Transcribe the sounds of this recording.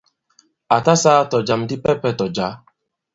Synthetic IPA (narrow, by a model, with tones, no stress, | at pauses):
a˨ta˦saː˦tɔ˨d͡ʒa˨m̩˦dɪ˦pɛ˦pɛ˦tɔ˨d͡ʒa˨˦